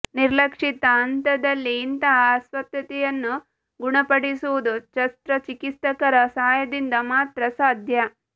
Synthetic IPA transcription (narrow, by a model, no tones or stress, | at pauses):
niɾlɐkʂit̪ɐːnt̪ɐd̪ɐlːiːnt̪ɐaːsʋɐt̪jɐt̪ɛjɐnːu | ɡuɳɐpɐɽisuʋud̪ut͡ʃɐst̪ɾɐt͡ʃikit̪ɐkɐɾɐsaːjɐd̪ind̪ɐmaːt̪ɾɐsaːd̪ʱjɐ